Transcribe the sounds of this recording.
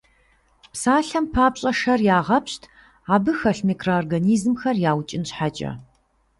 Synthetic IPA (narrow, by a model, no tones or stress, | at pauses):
psaːɬɐmpʰaːpɕʼɐʂɐrjaːʁɐpɕtʰ | aːbɨxɐɬmikʰroorɡɐniːzmxɐrjaːwt͡ʃʼɪnɕħat͡ʃʼɐ̰